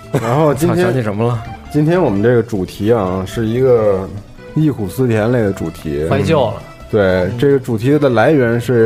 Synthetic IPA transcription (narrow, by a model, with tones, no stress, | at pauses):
ɻa˧˥nxo˥˩ʊt͡ɕi˥nʰ˥ɑ˥ŋɕi˥˩ʂə˧˥mə˧lə˧t͡ɕi˥nt̪ʰjɛ˥nwɔ˨˩mə˦nʈ͡ʂɤ˥˩ɡə˩ʈ͡ʂu˨˩t̪ʰi˧˥a˧ʂɻ̩˥˩i˧˥ɡə˧ | i˥˩kʰu˨˩sɹ̩˥˧t̪ʰjɛ˧˥nle˥˩ɪd̪ə˦ʈ͡ʂṵ˨˩t̪ʰḭ˧˥wa˥˧t͡ɕjɑ˥˩ʊlə̰˩ | t̪we˥˩ɪʈ͡ʂɤ˥˩ɡə˩ʈ͡ʂu˨˩t̪ʰi˧˥d̪ə˨la˧˥ɪɥɛ˧˥nʂɻ̩˥˩